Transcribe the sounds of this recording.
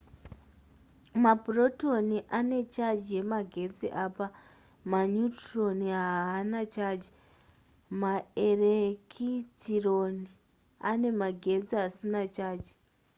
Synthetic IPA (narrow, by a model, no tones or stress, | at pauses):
mabro̞to̞niʔane̞t͡ʃad͡ʒiemaɡʱe̞d͡ziʔaːpa | maɲutro̞niɦaːnat͡ʃad͡ʒi | maerekʰit͡sironi | ane̞maɡʱe̞d͡ziasinat͡ʃaːd͡ʒi̥